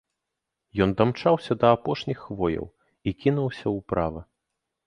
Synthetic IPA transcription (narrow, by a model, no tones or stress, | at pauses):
jɔnd̪amt͡ʂawsʲɐd̪ɐːpɔʂnʲixːvɔjɐ̰w | ikʲinuwsʲɐwpɾavɐ